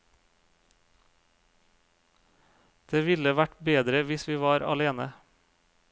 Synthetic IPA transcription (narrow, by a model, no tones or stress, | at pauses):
d̪̥eːʋɪləʋæʈbeːd̪ɾəʋɪsʋiːʋɑːɾɑ̰leːnə